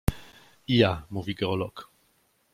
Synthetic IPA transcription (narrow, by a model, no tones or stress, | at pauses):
ijamuviɡɛʁɔlɔk